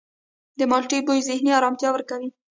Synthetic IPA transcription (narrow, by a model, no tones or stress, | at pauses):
d̪əmɑlʈibojzɪhniɑɾɑmt̪jɑwəɾkawi